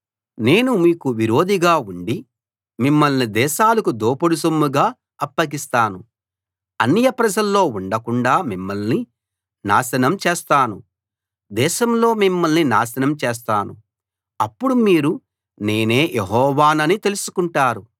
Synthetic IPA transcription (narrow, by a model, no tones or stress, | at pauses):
ne̞ːnumiːkuʋiɾo̞ːd̪iɡaːuɳɖi | mimːɐlnid̪ɛːʃaːlɐkud̪oːpɐɽus̬omːuɡaː | ɐpːɐɡist̪aːnu | ɐ̰nːijɐpɾɐd͡ʒɐlːo̞ːuɳɖɐkuɳɖaːmimːɐlni | na̰ːsɐnɐmt͡ʃeːst̪aːnu | d̪ɛːʃɐmlo̞ːmimːɐlnina̰ːsɐnɐmt͡ʃeːs̬t̪aːnu | ɐpːuɽumiːɾu | ne̞ːne̞ːjʔeɦɔːʋaːnɐnit̪e̞lusu̥kuɳʈaːɾu